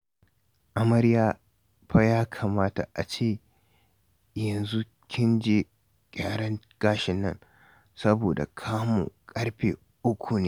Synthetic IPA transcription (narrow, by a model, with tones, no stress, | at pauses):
ʔa˨mɐ˦ɽjaː˦ | ɸa˦jaː˦kʰaː˨maː˦ta̰˨ʔa˨t͡ʃeː˦˨ | jɐ˨nzu˦ | kʲɪ˦nd͡ʒeː˨ | kʲʼaː˨ɽɐ˦ŋ | ɡ̥aː˦ʃɪ˨nːɐ̰˦˨ŋ | sɐ˦boː˨da̰˨kʰaː˦mṵ˨kʼɐ˦ɽɸḛː˨ | ʔʊ˦kʷʰu˨neː˦